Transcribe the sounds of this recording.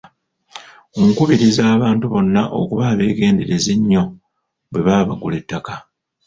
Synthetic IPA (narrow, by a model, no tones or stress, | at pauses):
oŋkuβiɾizaːβaːntuβo̞nːaʔo̞̰kuβaːβe̞ːɡe̞ːndeɾezeɲːo̞ | bwe̞βaːβaɡule̞tːaka